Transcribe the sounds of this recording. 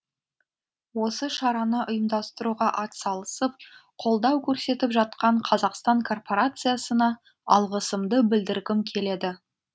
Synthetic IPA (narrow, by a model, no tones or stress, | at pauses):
wo̞səʃɑɾɑnəʔʊjəmd̪ɑst̪əɾuʁɑʔɑt̪sɑlˠəsəp̚qʰo̞lˠd̪ɑwkʲʰɵɾse̞t̪ɪpʒɑt̪̚qɑɴqʰɑzɑqst̪ɑɴkʰo̞rpo̞ɾat̪sɨjasənɑ | ɑ̰lˠʁəsəmd̪əbɪld̪ɪɾɡʲɪmkʲʰe̞le̞d̪ɪ